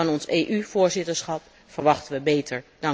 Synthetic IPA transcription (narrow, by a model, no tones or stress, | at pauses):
ɑnɔnsejʔyvʊːɹzɪtəɹsχɑp | fəɹʋɑχtənʋəbejtʰəɹd̥ɑ